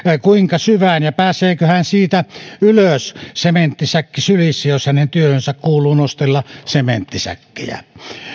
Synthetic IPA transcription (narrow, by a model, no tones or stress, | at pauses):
kuiŋkɑsyʋænjɑpæːsˑeːkøhænsiːt̪æyløssement̪ːisækːisylisːæjoshænent̪yøhønsækkuːlˑuːnost̪elːɑsemḛnt̪ːisæ̰kːḛjæ̰